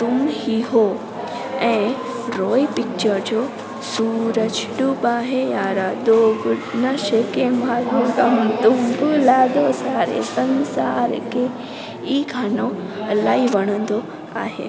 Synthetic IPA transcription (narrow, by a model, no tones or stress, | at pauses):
t̪ʊmhiɦo | ɛ̃ː | ɾoːipɪk̚t͡ɕəɾd͡ʑoː | suːɾəd͡ʑɖubaːɦejaːɾad̪oːɡʊnɐʃekemaːɾũɡɐmt̪ʊmbʊlaːd̪osaːɾḛsɐ̃nsaːɾkʰeː | iːkʰaːnoɐlaːiʋɐɽ̃ə̃nd̪o | a̰ːɦḛː